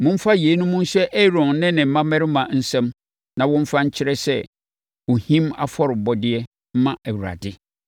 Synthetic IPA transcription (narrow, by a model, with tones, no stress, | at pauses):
mʊ̃˦m̩˦fa˦jeː˨˦nʊ̃˦mũ˦n̩˦sɛ˦ʔɛ˦ɾɔ̃˨nnɪ̃˦nɪ̃˨m̩˦mã˦mɛ̃˦ɾɪ˦mã˨n̩˦sɛ̃˦m | nã˨wɔ̃˦m̩˦fã˦ɲ̩˦t͡ɕʰɪ˦ɾɛ˦sɛ˦ | wo˨hĩ˦ma̰˦fɔ˦ɾɪ˨bɔ˦dɪ˦ɛ˦ | m̩˦mã˦ʔæ˨wu˨ɾa̰˨dɪ˦